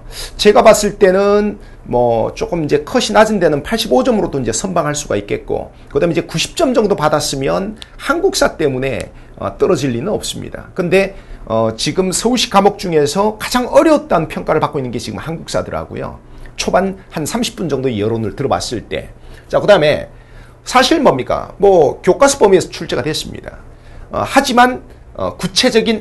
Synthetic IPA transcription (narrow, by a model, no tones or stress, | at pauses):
t͡ɕe̞ɡapas͈ɯɭt͈e̞nɯn | mʌt͡ɕ͈ok͈ɯmind͡ʑe̞kʰʌɕʰinad͡ʑinde̞nɯnpʰaɭɕ͈ibod͡ʑʌmɯɾodoind͡ʑe̞sʰʌnbaŋɦaɭs͈uɡa̰ik͈̚e̞t̚k͈o̰ | kɯdaɦmid͡ʑe̞kuɕʰi̥p̚t͡ɕ͈ʌmd͡ʑʌŋdopadas͈ɯmjʌnhanɡuk̚s͈at͈e̞mune̞̰ | ʌ̰t͈ʌɾʌd͡ʑiʎːinɯnʌ̰p̚s͈ɯmɲḭda̰kɯnde̞ʌt͡ɕiɡɯmsʰʌuɕʰi̥k͈amok̚t͡ɕ͈uŋe̞sʰʌkḁd͡ʑaŋʌɾjʌt̚t͈aɯnpʰjʌŋk͈aɾɯɭpak͈oinːɯnɡe̞t͡ɕiɡɯmhanɡuk̚s͈a̰dɯɾa̰ɡo̰jo̰t͡ɕʰobanhansʰamɕʰi̥p͈und͡ʑʌŋdoejʌɾonɯɭtɯɾʌwa̰s͈ɯɭt͈e̞̰t͡ɕ͈akɯdaɯme̞̰ | sʰaɕʰiɭmʌmɲik͈a̰mwʌkjok͈asʰu̥p͈ʌmiesʰʌt͡ɕʰuɭt͡ɕ͈e̞ɡadwes͈ɯmɲḭda̰ | ʌ̰had͡ʑiman | ʌ̰kut͡ɕʰe̞d͡ʑʌɡin